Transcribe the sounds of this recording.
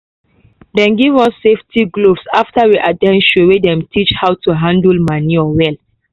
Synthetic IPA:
dɛ̃nɡivɔsːeftʰiɡlovsaftawiʔadɛ̃nʃuwedɛ̃mtʰit͡ʃhawtuɦãndəlmaniɔwɛl

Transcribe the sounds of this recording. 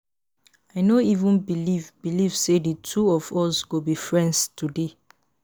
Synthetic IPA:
aɪnoivũnbilivbilivseditʰuɔvɔsɡobifɹɛ̃ndstʰude

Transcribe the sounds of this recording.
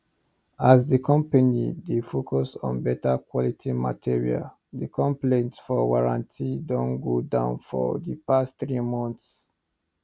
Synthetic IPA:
asdikʰɔ̃mpanḭdefokʰɔsɔ̰̃nbɛtakwɔlitʰima̰tʰiɹia̰l | dikɔ̃mplẽntfɔɡaɹã̰ntʰidɔ̃nɡodã̰ʊ̃nfɔ̰dipastθɹimɔ̃nθs

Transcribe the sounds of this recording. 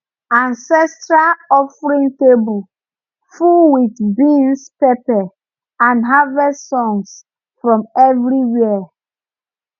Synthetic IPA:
ãnsɛstɹalɔfɹĩŋtebul | fuwitbĩnspepɛ | ãnɦavɛsɔ̃ŋs | fɹɔ̃mɛvɹiwɛə

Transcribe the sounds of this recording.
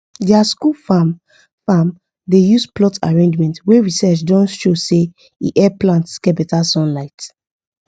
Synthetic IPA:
dɛaskulfam | fãm | dejusplɔtʰa̰ɹẽnd͡ʒmɛ̃ntweɹisɛt͡ʃdɔ̃nʃose | ḭʔɛplãntskɛbɛtasɔ̃nlaɪt

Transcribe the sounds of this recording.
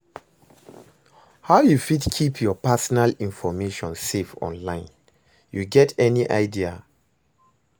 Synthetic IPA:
haʊjufidkʰipʰjɔpasɔnalĩnfɔmeʃɔ̃nsefɔ̰̃nlãɪ̃n | juɡɛtʰɛniʔaɪdia

